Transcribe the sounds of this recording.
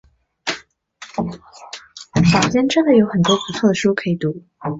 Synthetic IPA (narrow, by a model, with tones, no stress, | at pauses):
ɕɑ˨˩ʊt͡ɕjɛ˥nʈ͡ʂə˥d̪ə˩jo˧˥ʊxə˨˩nt̪wɔ˥ku˨˩t̪ʰɤ˥˩d̪ə˩ʂu˥kʰɤ˧˥i˨˩t̪u˧˥